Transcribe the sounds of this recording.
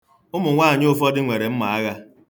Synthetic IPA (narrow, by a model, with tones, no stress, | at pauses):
ʊ˦mʊ˨ŋʷaː˦˨ɲ˦ʊ˦fɔ˦dɪ˦ŋʷe˨ɾe˨m̩˦ma˨a˦ɣa˦